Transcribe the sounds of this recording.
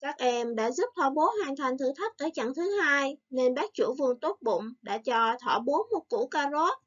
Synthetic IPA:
kaː˦˥k̚ʔɛ˧mɗa̰ː˧˥zu˦˥p̚t̪ʰwa˧˩ɓo˨˦hwaː˨˩ŋt̪ʰa˨˧jŋ̟t̪ʰɨ̰˧˩t̪ʰə˦˥k̚ʔəː˧˩t͡ɕa̰˧˨ŋt̪ʰɨ˨˦haː˧jne˧nɓaː˦˥k̚t͡ɕṵ˧˩vɨ˧əŋt̪o˦˥t̚ɓʊ̰˧˨ŋ͡mɗa̰ː˧˥t͡ɕɔ˧t̪ʰwa˧˩ɓo˨˦əmo˨˩t̚kṵ˧˩kaː˧zo˦˥t̚

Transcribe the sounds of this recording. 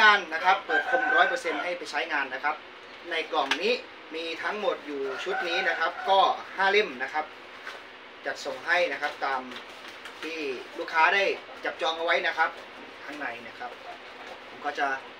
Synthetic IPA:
ŋaː˧nːa˦˥kʰa˦˥pːuː˨˩k̚kʰo˧mɾɔː˦˥jpɤ˧se˧nɦa˥˩jpa˨jt͡ɕʰa˦˥jŋaː˧nːa˦˥kʰa˦˥p̚ | na˧jklɔ˨˩ŋniː˦˥ | miː˧t̪ʰa˦˥ŋmo˨˩t̪̚juː˨˩t͡ɕʰu˦˥t̪̚niː˦˥na˦˥kʰa˦˥p̚kɔː˥˩haː˥˩le˥˩mna˦˥kʰa˦˥p̚ | t͡ɕa˨˩so˨˩ŋɦa˥˩jna˦˥kʰa˦˥p̚t̪aː˧m | t̪ʰiː˥˩luː˥˩kʰːaː˦˥da˥˩j | t͡ɕa˨˩p̚t͡ɕɔː˧ŋʔa˧wa˦˥jna˦˥kʰa˦˥p̚ | t̪ʰa˧˦˥ŋna˨˩jna˦˥kʰa˦˥p̚ | pʰo˨˩˦mkɔː˥˩t͡ɕa˧˩

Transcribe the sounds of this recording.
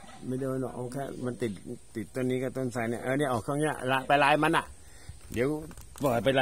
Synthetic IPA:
ma˥˩jdɤː˧jnɔ̰˨˩k̚ʔa˧˩kʰɛː˥˩ma˧nt̪i˨˩t̪̚t̪i˨˩t̪̚ːo˧nːiː˦˥kaː˧˩t̪o˧˩˨nsa˧˩ni˧˩ʔaː˧ni˧˥˩ʔɔː˨˩kʰɔː˥˩ŋni˦˥ɐ̰˨la˧˥pa˧jlaː˦˧˥jma˧nʔa˨˩ʔ | de˨˦˥w | pɤː˨˩t̪̚pa˧jla˧

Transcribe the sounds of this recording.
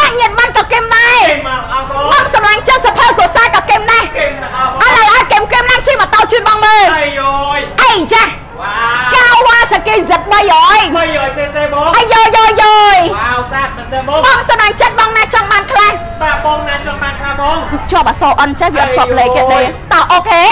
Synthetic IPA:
ɓa˧˩ʔɲi˧ət̪̚ɓa˧nkɑː˧˩kemɗaɛ | ɓɑː˧ŋsɑ˨mla˧ŋt͡ɕət̪̚sa˨pʰə˧ku˧˩əsaː˧kɑː˧ke˧mnɛh | ʔa˧lə˧˩ʔaɔjkemkemnaː˧ŋt͡ɕi˧əmə˨˩t̪oː˧t͡ɕɨː˧n̚ɓɑː˧ŋməː˧l | ʔəjt͡ɕah | akaː˧wwaː˧sa˧˨keː˧zət̪̚ɓə˧jʔɔːj | ʔə˧jːɔː˧jjoː˧jjo˧jat̚ | ɓɑ˧ŋsɑ˨ma˧ŋt͡ɕət̪̚ɓɑː˧ŋnaː˧t͡ɕɑ˧ŋɓaː˧nkʰlah | ɓŋna˧t͡ɕŋɓaː˧nkʰlahŋt͡ɕŏ˧əp̚ɓaː˨˩soː˧ʔə˧nt͡ɕa˧hʋiəʔɔ˧˩t̪̚t͡ɕʰŏ˧əp̚leː˧keː˧ɗeː˧t̪ɑ˧ʔoː˧kʰeː

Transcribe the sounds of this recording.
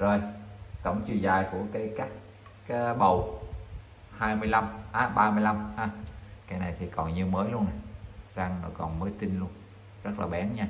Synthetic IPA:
zo˨˩jk̪ə˧˩wŋ͡mt͡ɕḭ˨˩zaː˨˩jku˧˩əkaː˨˦jkaː˦˥kː | a˨˦ɓə˧˩w | haː˧jmɨ˧əjla˧mʔaː˨˧˦ɓaː˧mɨ˧əjla˧mhaː˧kaː˨˦jna˨˩jt̪ʰi˨˩kɔ˨˩nɲɨ˧məː˨˦jlu˧əna˨˩jza˧ŋnɔ̰˨˩˦jkɔ˨˩nməː˨˦jt̪i˧nlu˧ən | zə˦˥t̚laː˨˩ɓɛ˨˦nɲaː˧

